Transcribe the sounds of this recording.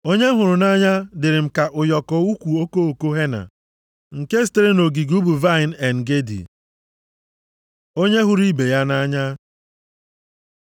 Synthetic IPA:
o˦ɲe˦ɦʊ˨ɾʊ˨na˦ɲa˦dɪ˨ɾɪ˨m̩˨ka˨ʔʊ˨jɔ˨kɔ˨u˦kʷu˨o˦ko˦o˨ko˦ɦe˦na̰˨ | ŋ̩˨ke˦s̬te˦ɾe˦no˨ɡi˨ɡu˦bu˨va˦ɪ˨n˨ɛ˨n˨ɡe˦dḭ˨ | o˦ɲe˦ɦʊ˨ɾi˦be˨ja˦na˦ɲa˦

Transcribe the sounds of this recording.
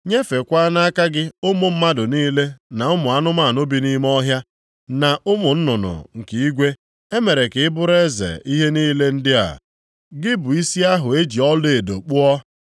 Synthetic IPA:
ɲe˦fe˨kʷa˦na˦ka˦ɡɪ˦ʊ˦mʊ˨m̩˦ma˦dʊ˨niː˦le˦na˨ʊ˦mʊ˨a˦nʊ˦ma˦˨nʊ˦bi˨ni˦m˦ɔ˦ɦja˦ | na˨ʔʊ˦mʊ˨n̩˦nʊ˨nʊ̰˨ŋ̩˨ki˨˦i˦ɡʷe˦ | e˦me˨ɾe˨kɪ˨ɪ˦bʊ˦ɾe˦zḛ˨i˦ɦe˦niː˦le˦n̩˦dɪ˦a̰˨ | ɡɪ˦bʊ˨i˦si˦a˦ɦʊ˨e˦d͡ʒi˨ɔ˦le˨do̰˨k͡pʊ˦ɔ˦

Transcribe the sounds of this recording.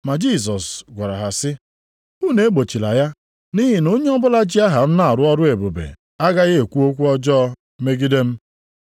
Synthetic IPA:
ma˨d͡ʒi˦˨s̬ɔ˨sɡʷa˨ɾa̰˨ɦa˨sɪ˦ | u˦ne˨e˦ɡ͡bo˨t͡ʃi˨la̰˨ja˦ | ni˦ɦi˨no˦ɲe˦ɔ˦bʊ˦la˦d͡ʒi˦a˦ɦa˨m̩˦na˨ɾʊ˦ɔ˦ɾʊ˦e˨bo˨bḛ˨ | a˦ɡa˦ɣe˦e˨kʷu˦o˦kʷu˦ɔ˦d͡ʒɔ˦ | me˦ɡi˦de˦m̩˦

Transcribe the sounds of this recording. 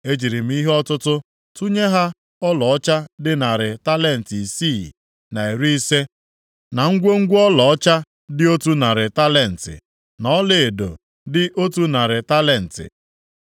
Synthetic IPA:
e˦d͡ʒi˨ɾi˨m̩˦i˦ɦe˦ɔ˦tʊ˦tʊ˦ | tu˦ɲe˦ɦa˦ | ɔ˦lɔ˨ɔ˦t͡ʃa˦dɪ˦na˨ɾɪ˨ta˦le˦˨n̩˨ti˨si˦˨ | na˨e˨ɾi˦i˦se˦ | na˨ŋ̩˦ɡʷo˦ŋ̩˦ɡʷɔ˦lɔ˨ɔ˦t͡ʃa˦ | dɪ˦o˦tu˦na˨ɾɪ˨ta˦le˨n̩˨tɪ̰˨ | nɔ˦le˨e˨do̰˨ | dɪ˦ʔo˦tu˦na˨ɾɪ˨ta˦le˨n̩˨tɪ̰˨

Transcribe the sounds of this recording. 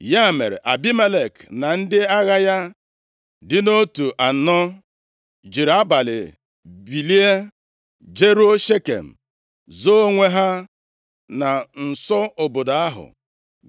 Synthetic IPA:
ja˦˨me˨ɾḛ˨ʔa˨bi˦me˦le˨kna˨n̩˦dɪ˦a˦ɣa˦ja˦ | dɪ˦no˦tu˨ʔa˨n̩˨nɔ˦ | d͡ʒi˨ɾa˦ba˨lɪ̰˨ | bi˨li˦e˦ | d͡ʒe˦ɾo˦ʃe˦kḛ˨m̩˨ | zo˦o˦ŋʷe˦ɦa˦ | na˨n̩˨sɔ˦o˨bo˨da˨a˦ɦʊ̰˨

